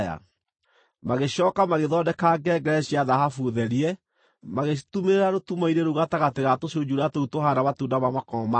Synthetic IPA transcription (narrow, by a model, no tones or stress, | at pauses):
ja̰ | maɣeɕɔkamaɣeðɔdɛkaɡɛɡɛɾɛɕiaðahafuðɛɾiɛ | maɣetumeɾeɾaɾotumaiɾeɾoɣataɣateɣatoɕioɲd͡ʒuɾatoutoɦaɾaβatundaβamakɔma